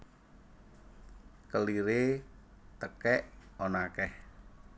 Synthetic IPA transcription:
kəliɾe | t̪əkɛʔonakɛh

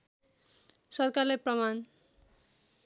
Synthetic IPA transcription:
sɔɾkaɾepɾɔman

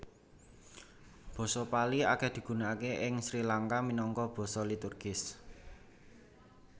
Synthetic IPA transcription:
b̥ɔ̤sɔpaliaked̪̥i̤ɡ̥ṳnaakeʔɪŋsɾilaŋkaminɔŋkɔb̥ɔ̤sɔlit̪urɡ̥ɪs

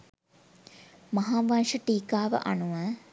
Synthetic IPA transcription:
mɐɦaːʋɐnʂəʈiːkaːʋə̰ʔa̰nuʋə

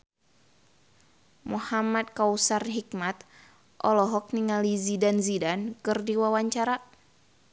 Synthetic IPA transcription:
muhamad̪̚kawusarɦik̚mat̪̚ | ʔɔlɔɦɔk̚niŋalizidanzidankɨrdiwawaɲt͡ʃaɾa

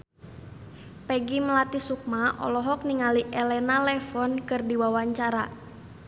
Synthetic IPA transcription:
pɛɡiməlat̪isuk̚maʔɔ̰lɔɦɔk̚niŋaliʔɛlɛnalɛfɔnkɨrdiwawaɲt͡ʃaɾa

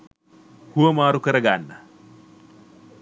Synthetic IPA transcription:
huwɐmaːɾukɐɾɐɡaːnːa

